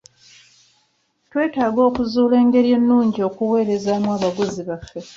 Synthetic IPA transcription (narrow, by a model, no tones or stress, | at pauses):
twe̞ːtaːɡo̞ːkuzuːle̞ːŋɡe̞ɾje̞nːuːɲɟio̞kuwe̞ːɾe̞zaːmwaːβaɡuziβafːe̞